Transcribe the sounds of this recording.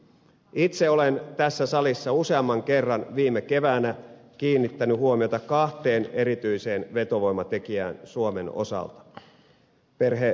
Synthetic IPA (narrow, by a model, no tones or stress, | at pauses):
it̪seo̞lent̪æsːæsɑlisːɑuse̞ɑmːɑŋke̞rːɑnʋiːmːeke̞ʋæːnækiːnːit̪ːænyhuomio̞t̪ɑkɑht̪e̞ːne̞ɾit̪yjse̞ːnʋe̞t̪o̞ʋo̞jmɑt̪e̞kiæ̰ːnsuome̞no̞̰sɑ̰lt̪ɑ̥ | pe̞rɦe